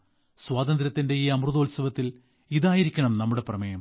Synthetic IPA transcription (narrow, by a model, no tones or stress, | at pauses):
swaːd̪ɐnd̪ɾɐt̪ːinde̞iːɐmruðoːlsɐʋɐt̪ːil | iðaːjiɾikʲːɐɳɐmnɐmːuɽe̞prɐmejɐm